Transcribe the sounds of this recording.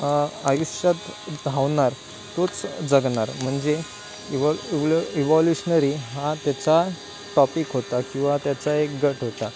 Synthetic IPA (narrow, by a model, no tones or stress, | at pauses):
ajuɕət̪d̪ʱaʋɳaɾ | t̪ot͡sd͡zəɡɳaɾm̤əɳd͡ze | iʋɔljuɕnəɾiɦat̪jat͡sa | ʈɔpikɦot̪akĩw̃ʋat̪jat͡saekɡəʈɦot̪a